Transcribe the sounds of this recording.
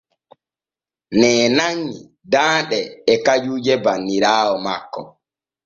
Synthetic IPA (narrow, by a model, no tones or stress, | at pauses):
nɛːnaɲːi | daːnɗɛːkad͡ʒuːd͡ʒɛbanːiɾaːwɔmakːɔ̰